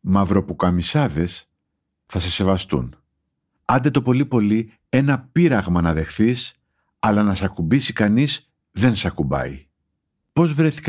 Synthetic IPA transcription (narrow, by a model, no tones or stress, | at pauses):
mɐvɾo̞pukɐmisɐðe̞s | θɐse̞se̞vɐst̪ṵn | ɐnd̪et̪o̞po̞lipo̞li | e̞nɐpiɾɐɣmɐnɐðe̞xθis | ɐlɐnɐsɐkubisikɐniz | ðe̞nsɐkubɐ̰i | po̞zvɾe̞θi̥k